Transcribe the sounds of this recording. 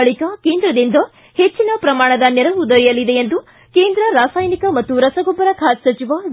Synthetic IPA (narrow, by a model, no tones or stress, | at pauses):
ɐɭikɐke̞ːnd̪ɾɐd̪ind̪ɐ | het͡ʃːinɐpɾɐmaːɳɐd̪ɐnɛɾɐud̪ɐɾijɐlid̪eend̪u | keːnd̪ɾɐɾaːsaːjnikɐmɐt̪ːuɾɐsɐɡobɐɾɐkʰaːt̪sɐt͡ʃiʋa